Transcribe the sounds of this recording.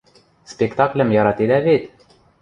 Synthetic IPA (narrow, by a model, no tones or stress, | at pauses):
spekt̪ɑklə̆mjɑɾɑt̪ed̪ævet̪